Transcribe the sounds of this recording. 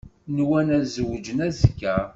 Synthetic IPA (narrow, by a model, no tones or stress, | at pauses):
nwænæzəwəd͡ʒənæzkːæ